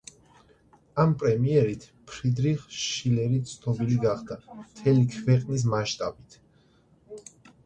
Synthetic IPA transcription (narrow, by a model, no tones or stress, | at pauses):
ampʼɾɛmiɛɾit̪ʰ | pʰɾid̪ɾiχʃʃilɛɾit̪sʰnɔbiliɡaχd̪amt̪ʰɛlikʰvɛqʼnis̬maʃt̪ʼabit̪ʰ